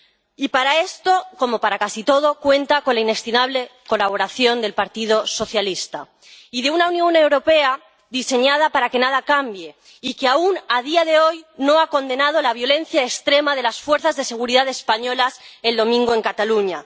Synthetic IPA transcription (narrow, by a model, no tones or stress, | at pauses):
ipaɾae̞st̪o̞ko̞mo̞paɾakasit̪o̞ð̞o̞kwe̞nt̪ako̞nlaine̞kst̪imaβ̞le̞ko̞laβ̞o̞ɾaθjo̞nd̪e̞lpaɾt̪ið̞o̞so̞θjalist̪a̰ | iðe̞unaunjo̞newɾo̞pe̞a | ðise̞ɲað̞apaɾake̞nað̞akambje̞ | ikeaunað̞iaðe̞o̞jno̞ako̞nd̪e̞nað̞o̞laβ̞jo̞lẽ̞n̟θjaekst̪ɾe̞maðe̞lasfwe̞ɾθazðe̞se̞ɣ̞uɾiðaðespaɲo̞lase̞ld̪o̞mĩŋɡoe̞ŋkat̪aluɲa